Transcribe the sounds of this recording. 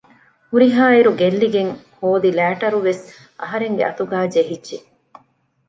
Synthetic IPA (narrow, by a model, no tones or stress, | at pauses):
huɾiɦaːiɾuɡelːiɡeŋhoːd̪ilæːʈɐɾuʋes | ɐ̰ɦɐɾeŋɡḛʔɐt̪uɡaːd͡ʒeɦidːd͡ʒʒe